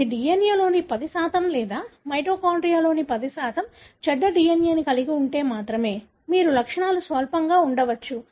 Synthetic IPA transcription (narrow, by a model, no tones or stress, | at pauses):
iɖijɐnjɐlo̞ːnipɐd̪isaːt̪ɐmlɛːd̪aːmɐjʈɾoːkɐwɳɖɾijaːlo̞ːnipɐd̪isaːt̪ɐm | t͡ʃɛɖːɐɖijɐnjɐːnikɐlikiuɳʈe̞ːmaːt̪ɾɐme̞ː | miːɾulɐkʂɐɳaːlusʋɐːlpɐŋɡaːuɳɖɐʋɐt͡ʃːu